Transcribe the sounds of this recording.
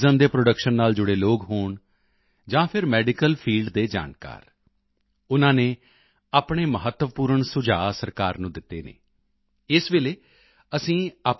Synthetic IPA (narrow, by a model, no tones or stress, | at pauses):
zəmd̪eːpɾoɖəkʃənːaːld͡ʒʊɽeːloːkɦoːɳ | d͡ʒãːpʰɪɾmɛːɖɪkəlpʰiːlɖd̪eːd͡ʒa̰ːnka̰ːɾ | ʊnãːneː | aːpɳ̃eːməɦət̪ːʋəpuːɾəɳsʊd͡ʒaːsəɾkaːɾnũːd̪ɪt̪ːḛːnḛː | ɪsʋeːleː | əsĩːaːp